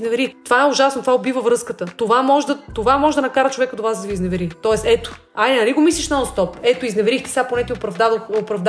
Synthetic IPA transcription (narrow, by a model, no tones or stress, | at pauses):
znɛvɛɾitt̪ovaɛʊʒasnot̪ovaobivəvɾɤskət̪ət̪ovamɔʒɛd̪ɐt̪ovamɔʒɛd̪ɐnɐkaɾət͡ʃovɛkəd̪ovazd̪ɐviznɛvɛɾit̪ɔɛst̪ɛt̪o̥ | aj̪ɛnɐliɡomislʲiʃnast̪ɔpɛt̪oiznɛvɛɾixt̪ɛ̥saponɛt̪ʲiopɾɐvd̪aopɾɐvd̪